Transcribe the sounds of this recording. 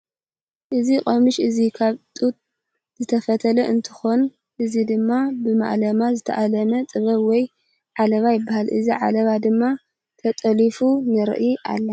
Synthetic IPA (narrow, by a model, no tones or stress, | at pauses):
ʔɨzikʼomɨʃʔɨzikʰaβt̪ʼut̪̚ | zɨt̪ʰɐfɐt̪ʰɐlɐʔɨnt̪ʰɨ̥xo̞n | ʔɨzid̪ɨmːabɨma̰ʔlɐmazɨt̪ʰɐʔalɐnɐt̪ʼɨβɐβwɔj | ʕalɐβajɪbːahalʔɨ̰ziʕa̰lɐβad̪ɨmːa | t̪ʰɐt̪ʼɐlifunɨɾɨ̰ʔiʔa̰lːɐ